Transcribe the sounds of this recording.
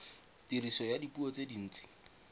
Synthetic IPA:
tirisɔjadipuɔt͡sedin̩ːt͡si̥

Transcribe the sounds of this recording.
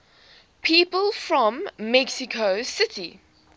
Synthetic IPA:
pʰiːˑpəlˠfɹɔ̃mːɛksɪkʰoʊsɪtʰi

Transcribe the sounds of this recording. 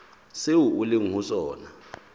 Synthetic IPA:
sewuulɪŋusɔːna

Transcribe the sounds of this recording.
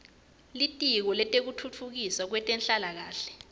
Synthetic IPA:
litʼik̬ɔlɛtʼek̬utʰutʰuk̬isak̬wɛtʼɛnɬalak̬aːɬɛ̥

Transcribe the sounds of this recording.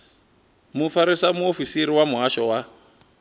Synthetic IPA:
mufaɾisamuofisiɾiwamuɦaʃɔwa

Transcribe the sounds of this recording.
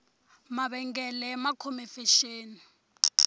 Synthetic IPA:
maɓɛŋɡɛlɛmakʰɔmɛfeʃeːni

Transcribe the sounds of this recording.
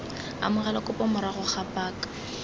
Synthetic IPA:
a̰mʊɣalakʼʊpʼɔmʊɾaχʊχʰapʼaːkḁ

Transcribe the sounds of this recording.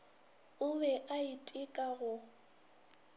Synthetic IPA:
ʊbɛʔaitʼɪkʼaɣʊ

